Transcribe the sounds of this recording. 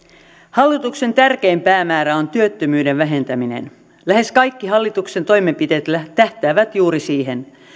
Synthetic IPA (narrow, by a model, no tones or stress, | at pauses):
hɑlːit̪ukse̞nt̪ærk̟e̞jmpæːmæːɾæont̪yø̞t̪ːømyːde̞ʋʋæɦe̞nt̪æminḛn | læhe̞skɑjkːiɦɑlːit̪ukse̞nt̪o̞jmempit̪e̞ːt̪læt̪æht̪æːʋæt̪juːɾisiːɦen